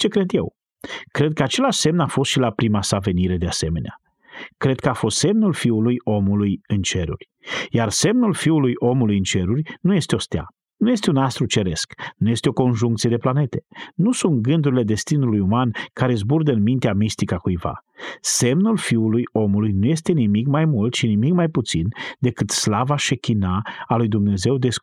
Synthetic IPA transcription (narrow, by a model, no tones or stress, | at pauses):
t͡ʃe̞kɾe̞d̪je̞̰w | kɾe̞d̪̚kəat͡ʃe̞laʃse̞mnafo̞st̪ʃilapɾimasave̞niɾe̞d̪ease̞me̞nea | kɾe̞d̪̚kəafo̞st̪se̞mnulfiulujo̞mulujɨnt͡ʃe̞ɾṵrʲjarse̞mnulfiulujʔo̞mulujɨnt͡ʃe̞ɾurʲnuje̞st̪eo̞st̪ea̰ | nuje̞st̪eunast̪ɾut͡ʃe̞ɾe̞sknuje̞st̪eo̞ko̞nʒuŋk̚t̪sije̞d̪e̞plane̞t̪e̥nusunt̪̚ɡɨnd̪uɾile̞d̪e̞st̪inulujumankaɾe̞zburd̪əɨnmint̪eamist̪ikakujva̰se̞mnulfiulujo̞mulujnuje̞st̪e̞nimikmajmult̪ʃinimikmajput̪sind̪e̞kɨt̪slavaʃekʲinaːlujd̪umne̞ze̞wd̪e̞s